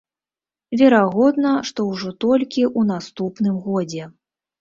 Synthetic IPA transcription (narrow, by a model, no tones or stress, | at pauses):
vʲɛɾaɣɔd̪nɐʂt̪ɔwʐɔt̪ɔlʲkʲiʔunast̪upnɨmɣɔd͡zʲɛ